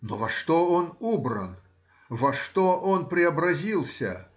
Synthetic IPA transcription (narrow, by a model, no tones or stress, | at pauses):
novɐʂt̪oonubɾə̰n | vɐʂt̪oʔonpɾʲɪɐbɾɐzʲilˠsʲə̰